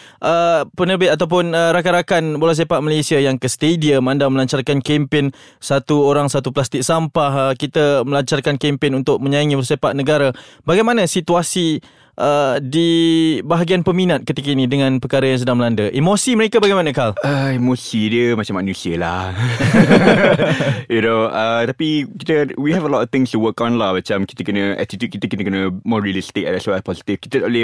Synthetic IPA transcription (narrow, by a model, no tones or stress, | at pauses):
ʔəpənərbɪt̪̚at̪awp̬ʊnəɾakaɾakanbolas̬epaʔmalesiajaŋkəst̪ediəmandaməlaɲt͡ʃarkankempɪnsat̪uoɾaŋsat̪uplast̪ɪk̚sampahkit̪əməlaɲt͡ʃarkankempɪnunt̪ʊʔ̚mə̃ɲaiŋibəlsepaʔ̚nəɡaɾabaɡajmanãsit̪uasi | ʔədibaɦaɡianpəminat̪̚kət̪ikainĩdəŋãnpərkaɾəjaŋs̬ədaŋməlandəʔimosiməɾekabaɡajmanə̃kaləimosidjəmat͡ʃamːanusiəlah | junoət̪apikit̪əwiɦɛvəlɔtɔft̪ɪ̃ŋstuwəkɔ̃nlahmat͡ʃamki̥t̪əkənə̃ɛ̰t̪it̪jut̪̚kit̪əkit̪əkənəmɔɹiəlist̪ɪkɛ̰dɛsoɛpɔzi̥t̪ifki̥t̪ədaʔulɪ